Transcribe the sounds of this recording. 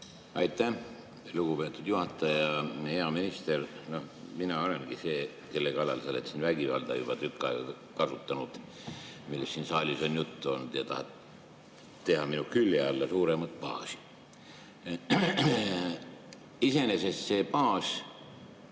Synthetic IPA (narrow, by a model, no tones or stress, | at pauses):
ɑjt̪ːæ | luɡ̥ube̞ːt̪ːˑud̪̥juhɑt̪ːˑɑjɑhe̞ɑminist̪erno̞hminɑo̞le̞nɡ̥ise̞ː | ke̞lːekɑlːɑlselet̪sinvæɡ̥ivɑ̰ld̪̥ɑ̰jub̥ɑt̪ykˑːɑeɡ̥ɑ | kɑsut̪ːˑɑnud̪̥ | milːesːiːnsɑːlʲiso̞njut̪ˑːuolnd̪̥jɑt̪ɑhɑt̪ | t̪ːe̞ɦɑminukylʲːjeɑlːɑsuːɾemɑt̪̚ˑpɑ̰ːsi̥ | ise̞ne̞se̞st̪se̞ːpɑːs